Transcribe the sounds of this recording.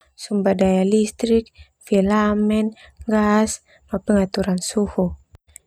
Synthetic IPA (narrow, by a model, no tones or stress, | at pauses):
sumbadajalist̪ɾik̚ | filamɛnŋɡas | mapəŋat̪uɾansuhu